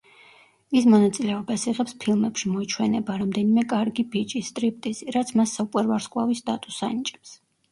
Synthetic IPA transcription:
ismɔnat̪sʼilɛɔbasiʁɛpspʰilˠmɛpʃimɔit͡ʃʰwɛnɛbaɾamd̪ɛnimɛkʼaɾɡibit͡ʃʼist̪ʼɾip̚ʰt̪ʼiziɾat̪sʰmasːaukʼwɛɾvaɾsqʼwa̰vist̪ʼat̪ʼusa̰nit͡ʃʼɛ̥ps

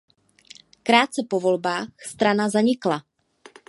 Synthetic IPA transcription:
kɾaːt̪̚t͡sɛpo̞vo̞lbaːxst̪ɾanazaɲɪkla

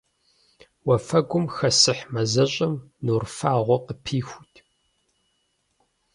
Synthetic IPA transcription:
wɐfɐɡʷʊmxɐsɨħmɐzɐɕʼɐmnuːrfaːʁʷɔqəpʰiːxʷutʰʼ

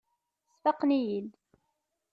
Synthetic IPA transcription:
sfɑqːnijil

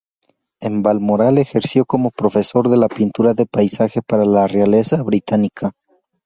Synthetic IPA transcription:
e̞mbalmoɾale̞xe̞ɾsjo̞ko̞mo̞pɾo̞fe̞so̞ɾðe̞lapint̪uɾaðe̞pajsaxe̞paɾalareale̞saβɾit̪anikʰa

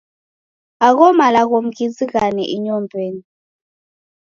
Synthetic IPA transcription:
ak̬ɔmalak̬om̩k̬it͡sʼik̬anɛ̰ʔiɲɔmbʱeːni

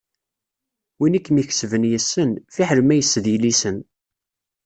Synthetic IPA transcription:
winikːmiçsvənjəsːənfiħləmæjəsːəðjəlisən

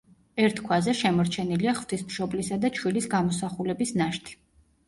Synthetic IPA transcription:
ɛɾt̪ʰkʰwazɛʃɛmɔɾt͡ʃʰɛniliaχv̥t̪ʰismʃɔblisad̪at͡ʃʰwilisɡamɔsaχulɛbisnaʃt̪ʰi̥

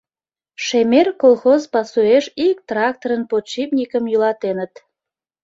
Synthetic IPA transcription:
ʃemerkolˠxozpɑsueʃik̚t̪rɑk̚t̪oɾənpot͡ɕipnʲikəmjylɑt̪enət̪

